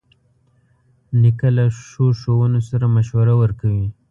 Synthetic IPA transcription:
nikalaʃoʃowənosaɾamaʃwaɾawəɾkawi

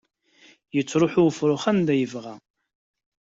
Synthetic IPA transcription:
jət͡sːɾˤʊħʊfɾˤʊχænd̪æjəvʁæ

